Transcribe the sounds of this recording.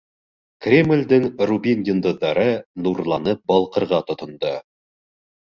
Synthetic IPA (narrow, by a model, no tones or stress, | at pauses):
krʲemlʲd̪ɘŋrubʲinjʲɪnd̪ŏðːɑɾɤnuɾlˠɑnɤp̚bɒlˠqɤ̆ɾʁɑt̪ŏt̪ŏnd̪ɤ